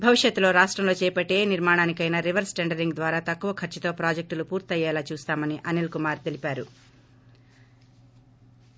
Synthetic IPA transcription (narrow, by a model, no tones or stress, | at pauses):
bʱɐʋiʂjɐt̪ːulo̞ːɾaːʂʈɾɐmloːt͡ʃɛːpɐʈːe̞ːniɾmaːɳaːnikɐjnɐɾiʋɐɾsʈeɳɖɐɾiŋɡd̪ʋaːɾaːt̪ɐkːuʋɐkʰɐɾt͡ʃit̪o̞ːpɾaːd͡ʒek̚ʈlupuːɾt̪iɐjɛːlaːt͡ʃuːst̪aːmɐniʔɐnilkumaːɾt̪elipaːɾu